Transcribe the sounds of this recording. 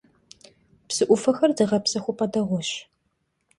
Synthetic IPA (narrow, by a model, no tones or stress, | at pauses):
psɨʔʷʊfɐxɐrdɨʁɐpsɐxʷʊpʰʼɐdɐʁʷɔɕ